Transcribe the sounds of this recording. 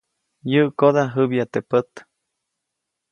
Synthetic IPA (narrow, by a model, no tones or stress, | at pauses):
jəʔkod̪aɦɨbjat̪epət̪